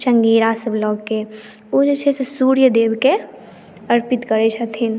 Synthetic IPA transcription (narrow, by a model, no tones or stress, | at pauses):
t͡ʃəŋɡeːɾaːsəblɔːɡkːe | od͡ʒet͡ʃʰesesuːɾjəd̪eːbke | əɾpɪt̪kəɾet͡ʃʰət̪ʰin